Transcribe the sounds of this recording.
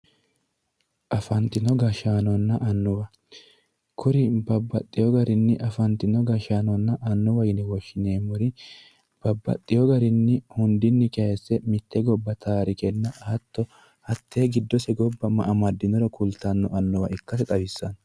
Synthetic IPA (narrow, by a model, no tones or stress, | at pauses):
ʔɐfɐnt̪ɪnɔɡɐʃaːnɔnːɐʔɐnːʊwɐ | kʰʊɾɪbɐbːɐt̪ʼːɪjɔɡɐɾɪnːɪʔɐfɐnt̪ɪnɔɡɐʃaːnɔnːɐʔɐnːʊwɐjnɛwɔʃːɪneːmʊɾɪ | b̥ɐbːɐ̰t̪ʼːɪjɔɡɐɾɪnːɪhʊnd̪ɪnːɪkɛɛsːɛmɪt̪ːɛɡɔbːɐt̪ʰaːɾɪkɛnːɐʔat̪ːɔ | ɐt̪ːeːɡɪd̪ːɔsɛɡɔbːɐmɐ̰ʔɐmɐd̪ːɪnɔɾɔkʰʊlt̪ːɐnːɔɐnːɔwɐ̰ɪkːɐsɛt̪ʼɐwɪsːɐn